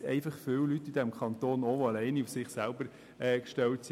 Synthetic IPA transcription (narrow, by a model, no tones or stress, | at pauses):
ɛ̰ɪfɑχfɪːwlytːidɛmkʰχɑnt̪oːnoʋoɑlɛɪniufsɪχsælbəɾ | ɛːkʃtɛlts